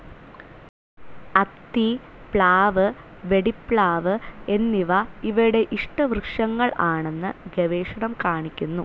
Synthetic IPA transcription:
ɐt̪ːi | pɭaːʋɨ | ʋe̞ɽipɭaːʋɨe̞nːiʋɐiʋɐjuɽe̞ʔiʂʈɐʋrɨkʂɐŋːɐɭʔaːɳe̞nːɨɡeʋeːʂɐɳɐmkaːɳikʲːunːu

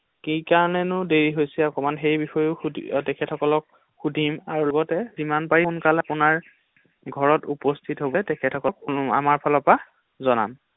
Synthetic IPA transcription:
kikaɹɔnɛnʊdeɹiɦojsɛɔkɔmanxejbixɔjʊtɛkʰɛtʰɔkɔlɔk̚ | xudʱimaɹulɔɡɔtɛzimanpaɹiunkalapʊnaɹ | ɡʱɔɹɔtupɔstʰitɦobɔtɛkʰɛtʰɔkɔkua̰maɹpʰɔlɔpa | zɔna̰m

